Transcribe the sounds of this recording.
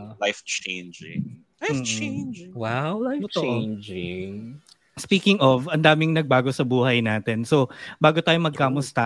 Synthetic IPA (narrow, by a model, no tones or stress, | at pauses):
lajft͡ʃejnd͡ʒɪ̰ŋ | am̩ːt͡ʃend͡ʒɪwawlajt͡ʃnd͡ʒɪŋ | spiːkɪŋɔvɐnd̪aːmɪŋnɐɡ̚baːɡo̞sɐbuːhɐjnaːt̪ɛnso̞baːɡot̪aːjomɐɡ̚kaːmʊst̪ɐ